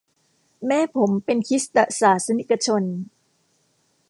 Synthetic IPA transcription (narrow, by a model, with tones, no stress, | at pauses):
mɛː˦˥pʰo˩˦mpe˧nkʰi˦˥st̪a˨˩saː˩˦sa˧ni˦˩kːa˧t͡ɕʰo˧n